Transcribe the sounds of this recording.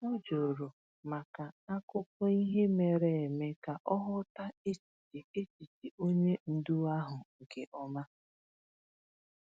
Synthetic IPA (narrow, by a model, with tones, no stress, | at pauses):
nɔ˦d͡ʒo˨ɾo˨ | ma˨ka˨a˦kʊ˦p̚ʊ˦i˦ɦe˦me˨ɾe˨e˨me˦ka˨ʔɔ˦ɦʊ˦ta˦e˦t͡ʃi̥˨ti˨e˦t͡ʃi˨ti˨o˦ɲe˦n̩˦du˦a˦ɦʊ˨ŋ̩˨ke˨ʔɔ˦ma˦